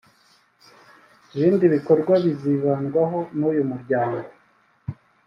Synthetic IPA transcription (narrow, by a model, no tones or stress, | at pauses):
iβiːndiβiko̞ɾɡwaβiziβaːnɡwaɦo̞nujumuɾɟaːŋɡo